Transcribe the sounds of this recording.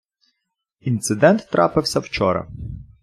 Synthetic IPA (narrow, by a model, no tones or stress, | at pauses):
int̪sɪd̪ɛnt̪ːɾɑ̰pɪwsʲɐwt͡ʃɔɾɐ̰